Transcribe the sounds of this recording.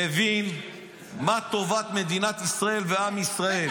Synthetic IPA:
evin | mat̪o̞vat̪me̞d̪inat̪isʁae̞lveamisʁae

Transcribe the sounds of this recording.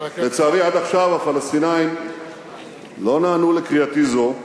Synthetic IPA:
let͡saːʁiʕad̪aχʃavafalast̪inajim | lo̞naːnulekʁiat̪izo

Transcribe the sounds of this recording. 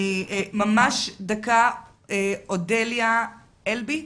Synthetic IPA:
iemamaʃdaka | eodelja | elbi

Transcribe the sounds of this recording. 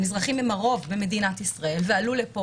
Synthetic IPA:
mizʁaχimemaʁo̞vbeme̞dinat̪isʁae̞lvealulepo

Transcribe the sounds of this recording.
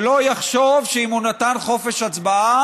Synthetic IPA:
lo̞jaχʃovʃeimunat̪anχo̞fe̞ʃat͡sbaa

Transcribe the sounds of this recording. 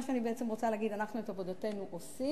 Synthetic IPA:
ʃeanibeʔet͡semʁo̞t͡saleaːɡid̪anaχnuet̪abod̪ate̞nuʔosi

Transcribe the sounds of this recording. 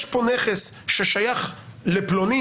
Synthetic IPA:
ʃponeχesʃeʃajaχleploni

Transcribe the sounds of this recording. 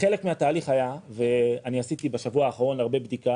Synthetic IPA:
χelekmeat̪aːliχajave̞aniasit̪ibeʃavuaːχaʁo̞nlaʁbe̞bd̪ika

